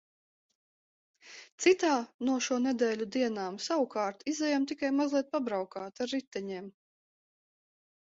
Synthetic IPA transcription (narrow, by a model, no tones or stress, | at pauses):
t̪sit̪aːnuɔʃuɔnɛd̪ɛːlʲud̪iɛnaːmsawukaːɾt̪izɛjamt̪ikajmazlˠiɛt̪̚pabɾawkaːt̪aɾːit̪ːɛɲɛɛm